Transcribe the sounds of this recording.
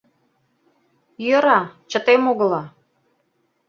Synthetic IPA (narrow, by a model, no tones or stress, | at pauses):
jə̆ɾɑt͡ɕət̪emoɣə̆lɑ